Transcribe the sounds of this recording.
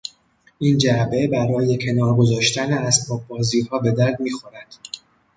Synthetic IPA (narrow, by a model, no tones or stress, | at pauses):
ʔiːnd͡ʒæbe̞bæɾɒːje̞cʰe̞nɒːɾɡo̞zɒːʃt̪ʰæneæsbɒːb̚bɒːziːhɒːbe̞d̪æɾd̪miːxo̞ɾæd̪̥